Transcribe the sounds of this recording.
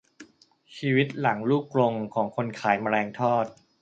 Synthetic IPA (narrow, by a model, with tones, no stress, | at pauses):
t͡ɕʰiː˧wi˦˥t̪̚la˩˦ŋluː˥˩klo˧ŋkʰɔː˩˦ŋkʰo˧nkʰaː˩˦jma˧ɾɛː˧ŋt̪ʰɔː˥˩t̪̚